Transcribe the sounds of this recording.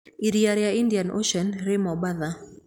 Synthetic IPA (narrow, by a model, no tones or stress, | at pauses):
iɾjaɾjaindijanʔo̰ʃɔnɾɪmɔbaða